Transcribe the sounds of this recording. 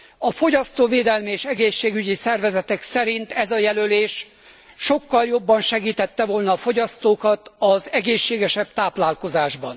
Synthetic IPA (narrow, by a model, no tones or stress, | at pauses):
ɒfo̞ɟɒst̪oːveːd̪ɛlmieːʃɛɡeːʃːeːɡyɟisɛrvɛzɛt̪ɛksɛɾint̪ɛzɒjɛløleːʃ | ʃo̞kːɒljo̞bːɒnʃɛɡiːt̪ɛt̪ːɛvolnɒːfo̞ɟɒst̪oːkɒt̪ɒzɛɡeːʃːeːɡɛʃɛb̥t̪aːplaːlko̞zaːʒbɒn